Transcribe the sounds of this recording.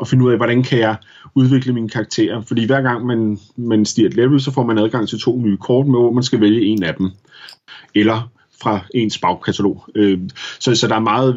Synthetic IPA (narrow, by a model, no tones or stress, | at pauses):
ɒ̽fe̝nəuð̰ˠæʋɒɾænkʰæjɑ̈ɪ | uð̞ˠʋe̝ɡ̥ləmiːnəkʰɑ̈ɡ̥̚t͡sʰe̝̰ːɐfɒd̥ḭːʋæɐ̰ɡ̥ɑ̈ŋ̰mæn | mænsd̥ḭɐd̥leb̥l̩ˠsɒ̽fɒ̰mænæðˠɡ̥ɑ̈ŋ̰t͡sʰe̝lt͡sʰo̝̰ːnyːkʰɒːd̥meʋɒmænsɡ̥æʋeljəe̝næd̥em | elɐ | fʁɑ̈e̝nsb̥ɑ̈ʊkʰæt͡sʰælo̝̰ːøsɒ̽sɒ̽d̥ɑ̈æɐmɑ̈ːð̩ˠ